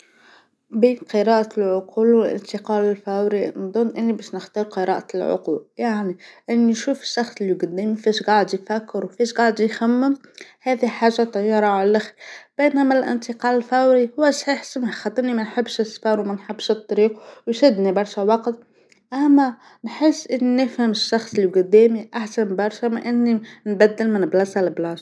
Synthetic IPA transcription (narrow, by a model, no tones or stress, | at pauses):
biːnqəɾɑːʔalʕʊquːlwɪlʔɪ̰nt̪ɪqɑːlɪlfæwɾinðˤʊnːʔɪnːibæʃnəxt̪ɑːɾˤqəɾɑ̰ːʔalʕʊ̰qṵːljaʕniʔɪnːiʃuːfɪ̥ʃːɑxt̪lːiɡʊd̪imifiːʃɡɑʕd̪jfækːɪɾwfiːʃɡɑʕd̪xæmːəmhæːðiħaːʒːat̪ˤːɑjːɑːɾˤɑʕalælʔɪxb̥enæmælʔɪ̰nt̪əqɑːlɪlfæwɾihʊwːæsˤħiħsəmxɑt̪ˤːnimænħɪbːʃəsfɑɾwmænħɪbːʃət̪ˤːɑɾiːqwjʃɪd̪nibɑɾˤʃawɑqt̪ | ʔæmːæ | nħəsːʔɪnːinəfhəməʃːɑxsˤlːiɡʊd̪ːæːmiʔaħsænbɑɾˤʃæmɪnʔɪnːinbæd̪ːəlmɪnblɑsælblɑsˤ